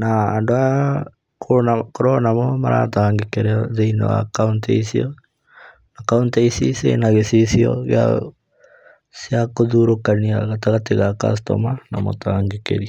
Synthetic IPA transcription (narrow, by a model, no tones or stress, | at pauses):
naːndoa | koakoɾɔnamɔmaɾʔa̰taŋɡekeɾeaðeino̰a̰kauntḛisiɔ | nakaunteisisḛnaɣesisiɔ̰ɣea̰ | siakoðuɾokaniaɣataɣateɣaka̰s̬tɔ̰manamo̰taːŋɡekḛɾia